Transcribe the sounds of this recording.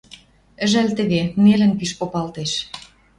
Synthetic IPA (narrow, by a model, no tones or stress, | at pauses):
ə̆ʒælt̪ə̆βenelə̆npiʃpopɑlt̪eʃ